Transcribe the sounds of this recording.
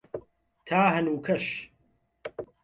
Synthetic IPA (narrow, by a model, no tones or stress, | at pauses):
t̪ʰaːɦɐnuːkʰɐʃ